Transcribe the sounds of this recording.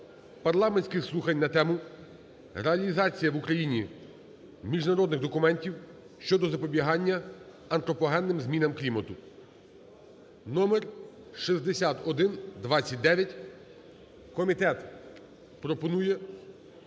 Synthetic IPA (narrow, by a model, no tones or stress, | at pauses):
pɐrlˠɑmenʲsʲkɪslˠuxɐnʲnɐt̪ɛmʊ | ɾeɐlʲizɑt͡sʲijɐʋukɾɐjinʲi | mʲiʒnɐɾɔd̪nɪɣd̪ɔkʊmɛnʲtʲiw | ʃt͡ʃɔd̪ɔzɐpɔbʲiɦɑnʲːɐ | ɐnt̪ɾɔpɔɦɛnːɪmzmʲinɐmklʲimɐt̪ʊ | nɔmɛr | ʃizd̪esʲat̪ɔd̪ɪnd̪ʋɑt͡sʲːɐt̚ʲd̪ɛʋʲjɐtʲ | kɔmʲit̪ɛt̪ | pɾɔpɔnujɛ